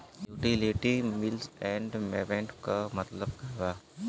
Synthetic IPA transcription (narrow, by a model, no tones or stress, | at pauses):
juːʈiliʈimɪlsɛ̃ːɳɖmeːbẽːɳʈkamɐt̪ləb̚kɐɾʋaː